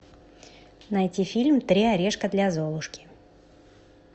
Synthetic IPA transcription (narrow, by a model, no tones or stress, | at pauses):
najtʲifʲilʲmt̪ɾʲiaɾʲeʂkəd̪lʲazolˠʊʂkʲɪ̥